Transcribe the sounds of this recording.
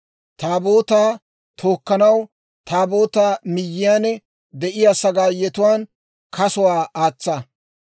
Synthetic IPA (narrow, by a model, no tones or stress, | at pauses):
t̪aːboːt̪aː | t̪ʰoːkːɐnɐw | t̪ʰaːbo̞ːt̪aːmɪjːɪjaːnɛ | d̪ɛʔɪjaːsɐɡaːjɛt̪ʊwaːn | kʰɐsʊwaːaːt͡sːɐ